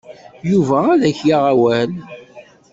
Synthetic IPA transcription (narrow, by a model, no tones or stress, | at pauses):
juvæːðæçjaʁæwæl